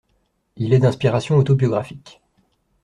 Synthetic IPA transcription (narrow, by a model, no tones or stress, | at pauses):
ilɛd̪ɛ̃spiʁasjɔ̃ot̪objɔɡʁafik